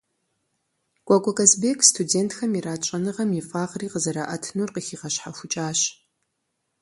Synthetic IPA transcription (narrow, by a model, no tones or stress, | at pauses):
kʷʼakʷʼɔkʼɐzbeːkʰstʰudeːntxɐmiɾaːt͡ʃʼɐnɨʁɐmjifʼaːʁriːqəzɐɾaʔɐtʰnurqixiːʁɐɕħaxʷʊt͡ʃʼaːɕ